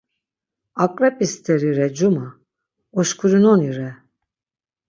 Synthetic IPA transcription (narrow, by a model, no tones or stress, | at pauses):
akʼɾɛpʼist̪ʰɛɾiɾɛd͡ʒuma | ɔʃkʰuɾinɔniɾɛ